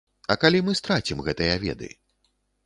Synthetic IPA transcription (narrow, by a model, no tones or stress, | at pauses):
ɐkalʲimɨst̪ɾat͡sʲimɣɛt̪ɨjɐvʲɛ̰d̪ɨ̰